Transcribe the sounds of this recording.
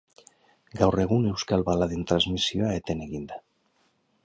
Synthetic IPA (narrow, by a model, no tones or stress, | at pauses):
ɡawreɣunewskalβalaðent̪ɾazmisjoaet̪eneɣind̪a